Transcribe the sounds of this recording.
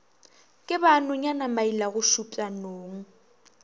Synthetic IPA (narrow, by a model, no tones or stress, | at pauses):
kʼɪbanʊɲanamailaɣʊʃupʼanoːŋ̩